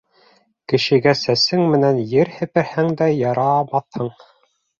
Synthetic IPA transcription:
kɘ̆ʃɘ̆ɡæsæsɘŋmɘ̆nænjɘɾhɘ̆pɘ̆ɾhæŋd̪æjɑɾɑmɑθhɤɴ

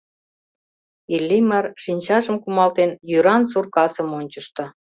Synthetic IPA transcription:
ilʲːimɑrʃinʲt͡ɕɑʒəmkumɑlt̪enjyɾɑnsurkɑsə̆monʲt͡ɕəʃt̪ɤ̆

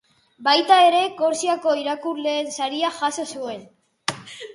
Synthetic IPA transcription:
bajt̪aeɾe̞ko̞ɾsiako̞iɾakuɾle̞ːnsaɾiaʝasosue̞n

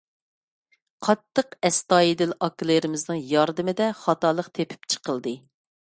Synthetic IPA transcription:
qʰɑt̪ʰːəqɛst̪ɑːjid̪ɪlɑkilˠeɾɪmɪznɨŋjɑɾd̪ɨmɪd̪ɛχɑt̪ɑːlˠəqt̪ʰepʰy̥p̚t͡ʃʰə̥qəlˠd̪ɨ

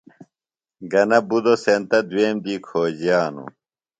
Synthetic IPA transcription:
ɡɐnɐbud̪osent̪ɐd̪weːmd̪iːkʰoːd͡ʑjaːnṵ

